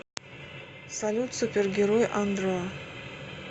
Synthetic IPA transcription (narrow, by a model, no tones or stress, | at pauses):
salʲut̪supʲerɡʲeɾojʔand̪ɾo